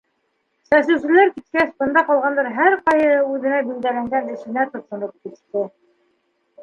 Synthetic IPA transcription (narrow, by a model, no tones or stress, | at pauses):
sæs̬ɘ̆wsɘ̆læɾkit̪̚kæθbɤ̆nd̪ɑqɑlˠʁɑnd̪ɑɾɦæɾqɑjɤʉðɘ̆næbild̪ælæŋɡænɘ̆ʃɘ̆næt̪ŏt̪ŏɾɤp̚kit̪ːɘ